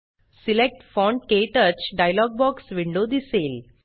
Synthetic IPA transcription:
silek̚ʈfɔ̃ɳɖkeʈəɾt͡ɕɖajlɔːɡ̚bɔːksʋiɳɖod̪iseːl

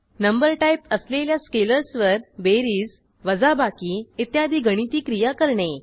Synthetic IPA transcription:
nəmbəɾʈaipəsleljaskeləɾsʋəɾbeɾiːs | ʋəd͡zabakiːit̪jad̪ʱiːɡʱəɽ̃it̪iːkɾijakəɾɳe

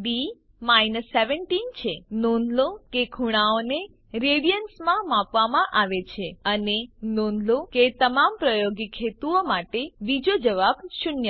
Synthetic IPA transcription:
ɖi | majnəsːeʋəɳʈint͡ʃʰenonlokekʰuɽ̃aone | ɾeɽijənsmãmãpʋamãʔaʋet͡ʃʰeənenonloket̪əmampɾəjoɡikʰːet̪uomaʈeʋid͡ʒod͡ʒəʋabʃunjə

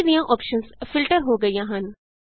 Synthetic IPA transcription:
d̪ijãʔɔːpʃənsfɪlʈəɾɦoɡɐijãɦɐ̃n

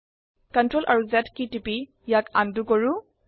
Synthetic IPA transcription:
kəntɹɔlʔa̰ɹuzɛtkitipi | jakandukɔɹu

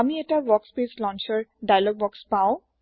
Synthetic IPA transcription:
amiɛtabɔkspeslɔnt͡ʃɔɹɖajalɔɡ̚bɔkspaʊ̃

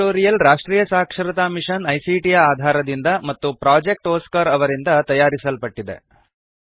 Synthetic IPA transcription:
oːɾijɐlɾaːʂʈɾiːjɐsaːkʂɐɾɐt̪aːmiʂɐnɐjsiʈijaaːd̪ʱaːɾɐd̪ind̪ɐmɐt̪ːupɾaːd͡ʒek̚ʈoːskɐɾɐʋɐɾind̪ɐt̪ɐjaːɾisɐlpɐʈːid̪e̞̰

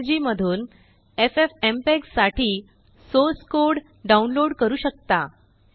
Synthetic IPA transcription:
d͡ʑiːməd̪ʱuːn | efefempeksːaʈʰiː | soskoɾɽ | ɖaunloɽkəɾuːɕək̚t̪a

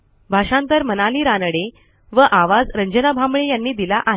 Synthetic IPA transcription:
bʱaʂãnt̪əɾmənaliːɾanəɽe | ʋəʔaʋad͡zɾəɲd͡ʑənabʱamɭejanːiːd̪ilaʔaɦ

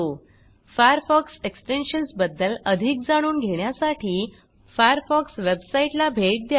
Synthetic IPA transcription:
o | fajəɾfɔkseksʈenɕənsbəd̪ːələd̪ʱik̚d͡zaɽ̃uːnɡʱeɽ̃jasaʈʰiː | fajəɾfɔksʋebsaiʈlabʱeʈ̚d̪j

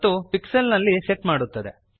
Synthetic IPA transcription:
t̪ːupikselnɐlːiseʈmaːɽut̪ːɐd̪e

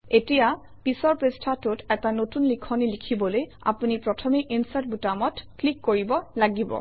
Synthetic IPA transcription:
etija | pisɔɹpestʰatʊtɛtanotunlikʰɔnilikʰibɔloj | a̰punipɹɔtʰɔmeʔinsat̚butamɔtklikːoɹibɔlaɡibɔ̰

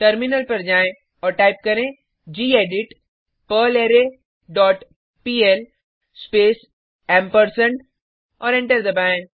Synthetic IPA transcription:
ʈɐɾmɪnəlpɐɾd͡ʒaːẽ | ɔːɾʈaːɪp̚kɐɾẽ | d͡ʒiːeːɖɪʈ | pəleːɾe | ɖɔːʈ | piːel | speːs | ɛːmpəɾsə̃ɳʈ | ɔːɾẽɳʈəɾd̪ɐbãː

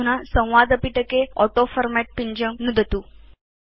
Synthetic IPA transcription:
unasə̃w̃ʋad̪əpiʈəkeɔʈofəɾmæʈ̚piɲd͡ʑəmnud̪ʱət̪uː

